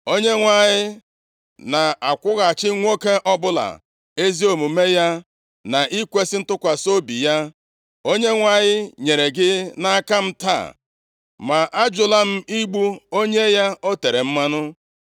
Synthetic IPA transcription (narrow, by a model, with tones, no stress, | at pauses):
o˦ɲe˦ŋʷa˨ɲɪ˦ | na˨a˨kʷʊ˦ɣa˨t͡ʃɪ˦ŋʷo˦ke˦ʔɔ˦bʊ˦la̰˨ | e˦zi˦o˨mu˨me˦ja˦ | na˨ʔi˦kʷe˦sɪ˦n̩˦tʊ˦kʷa˨so˦bi˨ja˦ | o˦ɲe˦ŋʷa˨ɲɪ˦ɲe˨ɾe˨ɡɪ˦na˦a˦ka˦m̩˦ta̰˦˨ | ma˨ʔa˦d͡ʒʊ˨la˦m̩˦i˦ɡ͡bu˦o˦ɲe˦ja˦o˦te˨ɾe˨m̩˦ma˦nʊ˦